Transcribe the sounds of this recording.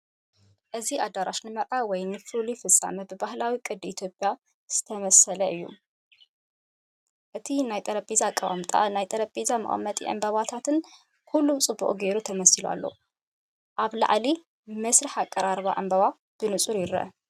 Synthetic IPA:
ʔɨziʔad̪aɾʔaʃnɨmɐɾʔawɔjnɨfɨlifɨsʼa̰mɐbɨbahlawikʼɨd̪it̪ʰjo̞pʼja | z̥ɨ̥t̪ʰɐmɐsɐlɐʔɨjːṵ | ʔɨt̪ʰinajt̪ʼɐɾɐpʼizakʼːɐβa̰mt̪ʼa̰najt̪ʼɐɾɐpʼizamɐ̰χʼɐmːɐt̪ʼḭʔɨ̰mbɐβat̪ʰat̪ɨn | kʰulːut͡sʼɨbːṵχʼɡe̞ɾut̪ʰɐmɐsilua̰lːo̞̰ | ʔaβla̰ʕli | mɐsɾɨħakʼːɐɾaɾβaʔɨ̰mbɐβa | b̥ɨnɨsʼuɾjɪɾɐ̰

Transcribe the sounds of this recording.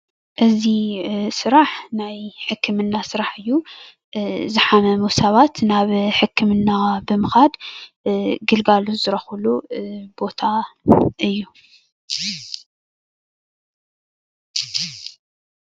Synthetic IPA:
ʔɨzisɨɾaħnajħɨkʰːɨmɨnːasɨɾaħɨjːu | zɨħamɐmusɐβat̪naβħɨkʰːɨmɨnːabɨmɨxad̪ | ɡɨlɡaluzɨɾɐxulubo̞t̪ʰaʔɨjːu

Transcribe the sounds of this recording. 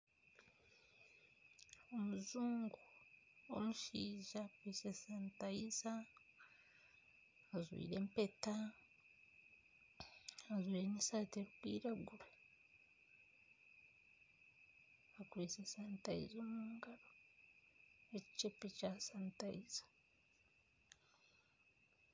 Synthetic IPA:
o̞muzuːŋɡu | o̰muʃiːʒakwiːsesaːntaiza | zwḭːɾe̞mpe̞ta | azwiːɾenisaːteɾukwḭːɾaɡuɾe | akuisesaːntaḭzomuːŋɡaɾo | eci̥t͡ʃepecasaːntaiz̥ḁ

